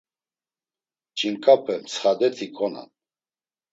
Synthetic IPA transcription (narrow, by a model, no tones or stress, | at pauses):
t͡ʃʼiŋkʼapʰɛmsχad̪ɛt̪ʰikʼɔna̰n